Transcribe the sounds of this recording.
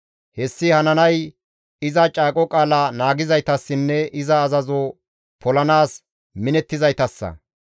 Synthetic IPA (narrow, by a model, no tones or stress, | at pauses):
hɛsːɪhɐnɐnɐj | ɪzɐt͡ʃʼaːkʼɔkʼaːlɐnaːɡɪzɐjt̪ɐsːɪnːɛʔɪzɐːzɐzo | pʰɔlɐnaːs | mɪnɛt̪ːɪzɐjt̪ɐsːɐ̰